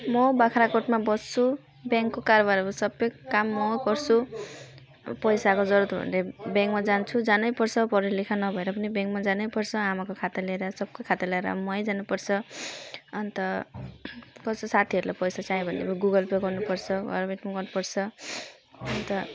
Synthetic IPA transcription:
mʌbakʰɾakoʈmabʌst͡sʰu | bjaŋkːokaɾʌβaɾʌɾusʌbʌkamːʌkʌrt͡sʰu | pʌjsakod͡zʌɾut̪bʱʌ̰nebãŋkmad͡zant͡sʰud͡zanʌjpʌrt͡sʰʌpʌɾilikʰanʌbʱʌeɾʌpʌnibjaŋkmad͡zanʌjpʌrt͡sʰʌamakokʰat̪aleɾʌsʌb̚kokʰat̪alaeɾʌ̰mʌjd͡zanupʌrt͡sʰʌ | ʌnt̪ʌ | kʌsosat̪ʰiʌɾulʔa̰pʌjsat͡saĩbʱʌndḛbʌɡuɡʌlpeɡʌrnupʌrt͡sʰʌɡʌ̰ɾmeʈmaɡʌrnupʌrt͡sʰʌ | ʌnt̪ʌ

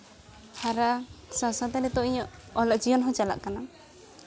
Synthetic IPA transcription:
haɾasãsãt̪anɛt̪ɔʔiɲɔɔlɔk̚d͡ʒijɔnɦɔ̃t͡ʃala̰ʔkana

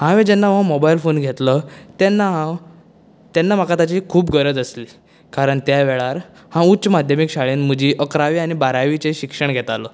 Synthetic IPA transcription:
hãʋẽd͡ʑɛnːamə̃mobailfonɡʱet̪lət̪ɛnːaɦã | t̪ɛnːam̤əkat̪at͡ɕikʰuːpɡəɾəd͡z̪əsli | kaɾəɳt̪jaʋeɭaɾ | hãutːt͡ɕəmad̪ʱjəmikɕaɭiːnməd͡ʑiːʔəkɾaʋiːaɽ̃ibaɾaʋit͡seɕikʂəɳɡʱɛt̪alɔ

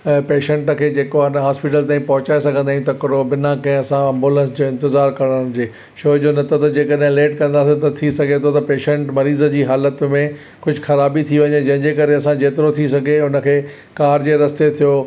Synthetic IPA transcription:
peːʃə̃ɳʈkʰeːd͡ʑeːkoɪnɦaːspɪʈ̬əlt̪aːĩpɐɦʊt͡ɕaːesɐɡʱə̃nd̪aːijũt̪ɐkɪɽobɪnãkɐ̃ɦɪ̃ɐsãɐ̃mbuːlə̃nsd͡ʑoːɪ̃nt̪ɪzaːɾkɐɽ̃əñd͡ʑeː | ʃoːd͡ʑonɐt̪ʰot̪ɐd͡ʑeːkəɗɦɪ̃leːʈkɐ̃nd̪aːsẽt̪ɐt̪ʰisɐɡʱet̪ʰot̪ɐpeːʃə̃ɳʈmɐɾiːzəd͡ʑiːɦaːlət̪mẽ | kʊd͡ʑʱʊxɐɾaːbit̪ʰiʋɐɲed͡ʑɐɦɪ̃ɲd͡ʑekɐɾeɐsãd͡ʑeːt̪ɪɾot̪ʰisɐɡʱeʊnə̆kʰeː | kaːɾd͡ʑeːɾɐst̪et̪ʰijoː

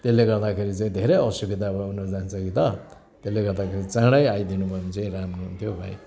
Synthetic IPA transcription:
t̪elːeɡʌɾd̪akʰeɾit͡saĩd̪ʱeɾejʌsubid̪ʱabʌɦunʌrd͡zant͡sʰʌkit̪ʌ | t̪elːeɡʌɾd̪akʰeɾit͡sãɽajajd̪inupʌnit͡saĩɾamnoɦunt̪ʰjobʱa̰j̃

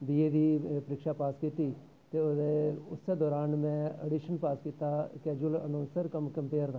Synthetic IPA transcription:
d̪iːeːd̪iːpəɾɪkʃaːpaːskiːt̪iː | t̪eːod̪eːʊsːeːd̪ɔːɾaːnmɛ̃ːə̰ɖiːʃənpaːskiːt̪aːkɛːd͡ʒʊələ̰noːsəɾkəmkəmpeːɾd̪ãː

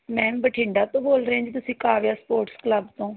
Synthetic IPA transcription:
mɛ̃ːbəʈʰɪ̃ːɳɖaːt̪õːboːlɾãːd͡ʒiːt̪̬ʊsĩːkaːʋeaːspoːɾʈskləbt̪õː

